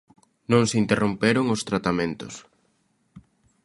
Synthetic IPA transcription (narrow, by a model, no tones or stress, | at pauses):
nõŋsint̪erompeɾoŋost̪ɾat̪amẽnt̪ʊ̰s